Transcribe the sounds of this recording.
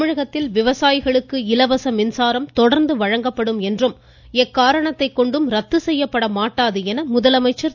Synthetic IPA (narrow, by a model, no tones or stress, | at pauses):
ɪɻɐɣɐt̪ːɪlʋɪʋɐsaːjɪɣɐɭɯkːɯɪlɐʋɐsɐmɪnsaːɾɐmt̪ɔɽɐɾnd̪ɯʋɐɻɐŋɡɐpːɐɽɯmɛndrɯm | ɛkːaːɾɐɳɐt̪ːɐɪkːɔɳɖɯmɾɐt̪ːɯsɛjːɐpːɐɽɐmaːʈːaːðɯɛnɐmʊðɐlɐmɐɪt͡ʃːɐɾ